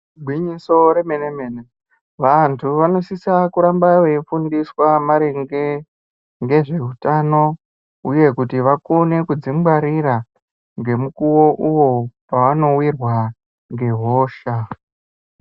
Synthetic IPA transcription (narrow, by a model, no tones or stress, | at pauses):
ɡʱwiɲiso̞ɾe̞menemene | ʋantʰuʋano̞sisakuɾambaʋeifundiswamaɾeŋɡe̞ | ŋɡe̞ʐe̞utano̞ | uje̞kutiʋakone̞kud͡zimbaɾiɾa | ŋɡe̞mukuwo̞ʔuwo̞paʋano̞wirwa | ŋɡe̞ɦoːʃa